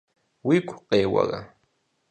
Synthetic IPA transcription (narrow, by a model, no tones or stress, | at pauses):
wikʷʰʼqʼeːwa̰ɣa